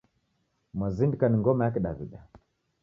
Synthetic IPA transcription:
mwazindikaniŋɡɔmajakɛɗaviɗa

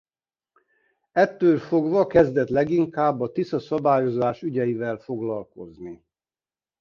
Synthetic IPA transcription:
ɛt̪ːøːlfoɡvɒkɛzd̪ɛt̪lɛɡiŋkaːbːɒt̪isɒsɒbaːjo̞zaːʃyɟɛjivɛlfoɡlɒlko̞zni

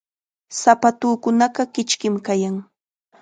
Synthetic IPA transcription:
sapat̪uːkʊnɑɢɑkɪt͡ʃkɪmkajaŋ

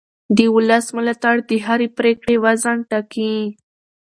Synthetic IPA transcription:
d̪əʊlasmɪlat̪aɽd̪əɦaɾepɾekɽewazanʈaki

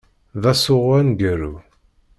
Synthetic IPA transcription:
ðæsʊʁwænɡəɾu

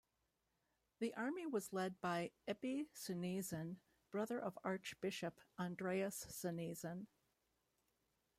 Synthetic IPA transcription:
ðiʔɑɹmiwʌzlɛd̚baɪɛbisɨnizɨ̃n | b̥ɹʌðə˞ʔʌvɑɹt͡ʃb̥ɪʃɨpæ̃ndɹeɪɨsːɨnizɨ̃n

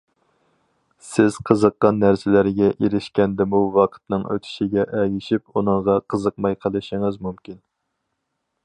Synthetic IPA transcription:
sɪz̥qʰəzəqːɑnːæɾsɪlæɾɡʲɛʔiɾɪʃkʲɛnd̪ɪmuwɑqʰə̥t̪nɨŋø̰t̪ʰɪ̥ʃiɡʲɛʔɛjɪʃipunɨŋʁɑqʰəzəq̚mɑjqʰəlˠɨʃiŋɨzmumkʲin

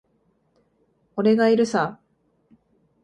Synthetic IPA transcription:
oɾe̞ɡaiɾɯ̟sa

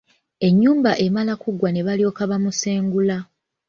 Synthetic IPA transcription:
e̞ɲːuːmbaʔemalakuɡwane̞βalio̞ːkaβamuseːŋɡula

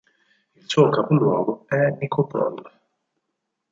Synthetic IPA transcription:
ilsuːokapolwɔːɡoɛnikopɾɔ̰l

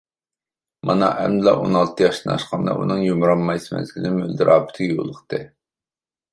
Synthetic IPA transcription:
mɑnɑʔɛmlˠɑʔonɑlˠt̪ʰɨjɑʃt̪ɨnɑ̰ʃqʰɑnd̪ɑ̰ʔṵnɨŋjomɾɑmmɑjsɨmɛ̰nzɪlɪlmø̰ld̪ɨɾʔɑːbɪ̥t̪ʰɪjo̰lˠəqt̪ʰɨ

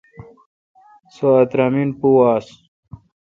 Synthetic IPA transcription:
soɐt̪ɾaminpuwaːs

